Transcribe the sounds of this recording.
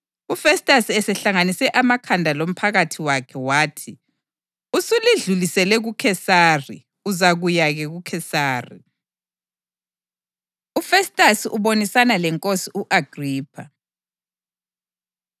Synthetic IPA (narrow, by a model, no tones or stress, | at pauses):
ufɛstʼasiɛsɛɬaŋanisɛʔamakʰandʱalom̩pʰaɣatʰiwakʰɛwaːtʰi | usuliɮulisɛlɛɣukʰɛsari | uzaɣujaɣɛɣukʰɛsaːrḭ | ufɛstʼasiʔuβonisanalɛŋkʼosiʔuʔaɡ̥riːpʰa̰